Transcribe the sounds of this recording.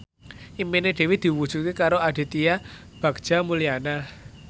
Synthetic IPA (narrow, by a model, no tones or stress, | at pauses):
ʔimpineɖ̥e̤wid̪̥i̤wud̥ʒ̥ṳt̪̚kekaɾoʔaɖ̥e̤t̪ija | b̥ä̤ɡ̥̚ʒ̥a̤muliana